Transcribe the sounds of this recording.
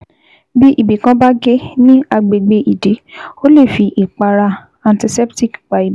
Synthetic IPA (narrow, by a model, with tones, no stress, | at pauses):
bi˦ʔi˦˨bi˨kã˧ba˦ɡe˦nĩ˦a˧ɡ͡be˨ɡ͡be˧ʔi˨de˨˦o˦le˦˨fi˧ʔi˨k͡pa˧ɾa˧ | ã˧nti˧sɛ˦pti˦˨kk͡pa˨i˨˦